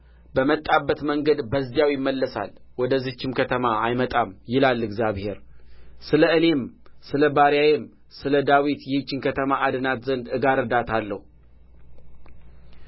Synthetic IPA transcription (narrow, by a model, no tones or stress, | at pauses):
bəmət̪ʼːabːət̪məŋɡəd̪bəzːijawjɪmːəlːəsa̰lwɔd̪əzɨt͡ʃːɪmkʰət̪ʰəmaajmət̪ʼamjɪlalːɨɡzijaβhe̞̰ɾsɨləɨne̞msɨləbaɾjajɛm | sɨləd̪awit̪jɛhɨt͡ʃːɪnkʰət̪ʰəmaʔad̪ɨnat̪zənd̪ɨɡaɾəd̪at̪ʰalːəhu